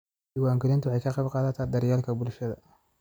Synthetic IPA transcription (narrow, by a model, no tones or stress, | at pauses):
ɪwaːŋɡɐlɪnt̪ʊwɑħɑjkʰɐqɑbqɑːðɐt̪ʰaːd̪ɐɾjaːlkʰɐbʊlʃɐðɐ̰